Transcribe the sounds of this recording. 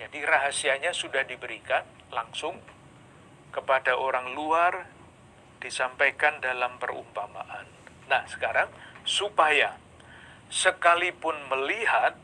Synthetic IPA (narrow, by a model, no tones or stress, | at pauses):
d͡ʒadiraɦasiaɲasudahdibəɾikan | laŋsʊŋ | kəpadaʔoɾaŋluar | d̥isampajkandalampərṵmpama̰ʔanː | ahsə̥kaɾaŋsupaja | səkalipʊnməliɦat̪̚